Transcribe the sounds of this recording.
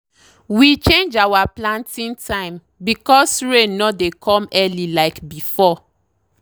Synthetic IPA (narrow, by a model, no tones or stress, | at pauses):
wit͡ʃẽnd͡ʒawaplãntĩntʰãɪ̃m | bikɔsɹẽnːɔdekʰɔ̃mɛlilaɪkbifɔ